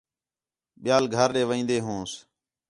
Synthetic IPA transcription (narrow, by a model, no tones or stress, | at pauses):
ɓɪjaːlɡʱəɾɗeːʋəĩːnd̪eːɦũːs